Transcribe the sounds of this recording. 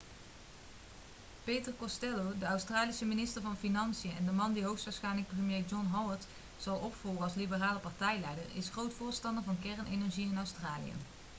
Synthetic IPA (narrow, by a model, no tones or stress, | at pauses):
pejtəɹkɔstɛlodəœwstraːlisəminɪstəɹvɑnfinɑnsijəɛ̰ndəmɑndiɦowxsʋaːɹsxɛjnlək̚prəmjejd͡ʒɔnɦɔwəɹt | sɑlˠɔpfɔlˠɡəɑlˠslibəraːləpɑɹtɛjlɛjdəɹɪ̰sxrowtfʊːɹstɑndəɹvɑnkɛɹənʔenɛɹʒiɪnœwstraːlḭjə̰